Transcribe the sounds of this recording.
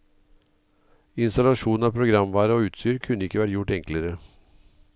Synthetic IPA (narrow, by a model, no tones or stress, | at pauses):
ɪnst̪ɑlɑʂuːnn̩ɑːpʰɾʊɡɾɑmʋɑːɾəoːʉːt̪st̪yːɾkʰʉnːəɪkːəʋæʈjʊʈɛŋkləɾə